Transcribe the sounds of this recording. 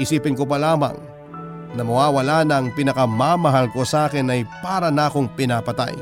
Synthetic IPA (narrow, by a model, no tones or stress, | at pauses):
ɪsiːpɪnkopɐlaːmɐ̰ŋ | nɐmɐwaːwɐlanɐŋpinɐkɐmamɐɦalko̞sɐʔaːkɪnɐjpaːɾɐnako̞ŋpɪnapɐt̪a̰j